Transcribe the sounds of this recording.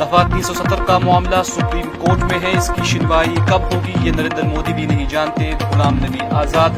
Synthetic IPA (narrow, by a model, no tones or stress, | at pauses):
d̪ɐfaːt̪niːsosɐt̪əɾkamʊaːmlasʊpɾiːmkoːɾʈmẽɦɛ̃ɪskiʃɪnʋaːikɐbɦoːɡijenɐɾẽːnd̪əɾmoːd̪ibʱinɐɦĩd͡ʒaːnt̪eɡʊlaːmnɐɦĩʔaːzaːd̪